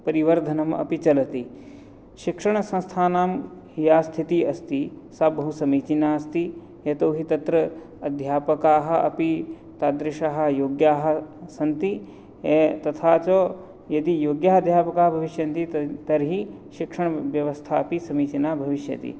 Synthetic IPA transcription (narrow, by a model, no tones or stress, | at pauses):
pɐɾiʋɐɾd̪ʱɐnɐmɐ̰pit͡ʃɐlɐt̪i | ʃikʂɐɳɐsɐ̃nst̪ʰaːnaːmɦijaːst̪ʰit̪iɐst̪isɐbɐɦusɐmiːt͡ʃinaːɐst̪i | et̪oːɦit̪ɐt̪ɾɐ | ɐd̪ʱjaːpɐkaːɦɐ̆ʔɐ̰pi | t̪aːd̪ɾiʃaɦɐ̆joːɡjaːɦɐ̆sɐnt̪i | et̪ɐt̪ʰaːt͡ʃoː | jɐd̪ijoːɡjaːɦɐd̪ʱjaːpɐkaːɦɐbʱɐʋiʃjɐnt̪it̪ɐɾɦi | ʃikʂɐɳ̃ɐʋjɐʋɐst̪ʰaːɐpisɐmiːt͡ʃinaːbʱɐʋiʃjɐ̰t̪ḭ